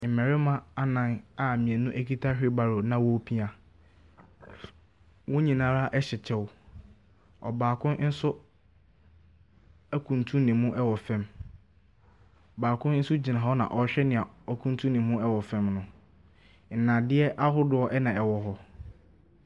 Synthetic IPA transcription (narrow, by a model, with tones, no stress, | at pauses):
m̩˨mɛ̃˨ɾɪ˦mã˦a˦nã˨na˨mĩ˨ɛ˨nʊ̃˦ʔæ˦kʰi˦tʰa˦ɕᶣɪ˦ba˨ɾo˨nã˨wɔ˦pʰi˦a˨ | wʊ̃˦ɲĩ˨nã˦ɾa˦ʔɛ˦ɕɛ˨t͡ɕʰɛ˦wʊ˨ | ɔ̰˨baː˨kʰʊ̃˦n˦n̩˦sʊ˦ | æ˦kʰũ˨n˨tʰũ˦nɪ̃˨mʊ̃˦ʔɛ˦wɔ˨fɛ̃˦m | ɔ˨baː˨kʰʊ̃˦n˦n̩˦sʊ˦d͡ʑi˨nã˨ɦɔ˦nã̰˨ʔɔ˨ɕᶣɛ˦nɪ̃˨a˨ɔ˦kʰũ˦ntʰũ˦nɪ̃˨hʊ̃˦ɛ˦wɔ˨fɛ̃˦mnʊ̃˨ | n̩˨nã˨dɪ˦ɛ˦ʔa˦ɦʊ˦dʊ˨ɔ˦ʔɛ˦nã˨ɛ˨wɔ˨ɦɔ˦